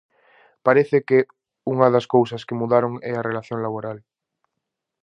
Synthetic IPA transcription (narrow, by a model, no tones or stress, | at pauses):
paɾeθeke | uŋaðaskowsaskemuðaɾoŋɛarelaθjõŋlaβ̞oɾal